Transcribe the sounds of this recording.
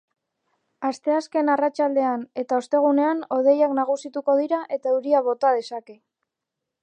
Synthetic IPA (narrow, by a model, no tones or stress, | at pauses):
ast̪e̞aske̞narat͡ʃald̪e̞ane̞t̪aost̪e̞ɣ̞une̞ano̞ð̞e̞jaknaɣ̞usit̪uko̞ð̞iɾaʔe̞t̪auɾiaβo̞t̪að̞e̞sake̞